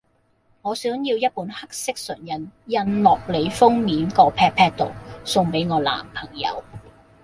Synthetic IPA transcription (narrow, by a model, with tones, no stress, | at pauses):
ŋɔː˨˧sœː˨˥ŋjiː˧wjɐ˥t̚puː˨˥nhɐ˥k̚sɪ˥k̚sɵ̰˨˩njɐ˨njɐ˧nlɔː˨k̚le˨˧jfʊ˥ŋmiː˨˥nkɔː˧pʰɛː˧k̚pʰɛː˧k̚t̪o˨˩wsʊ˧ŋpe˨˥jŋɔː˨˧la̰ː˨˩mpʰɐ˨˩ŋjɐ̰˨˧w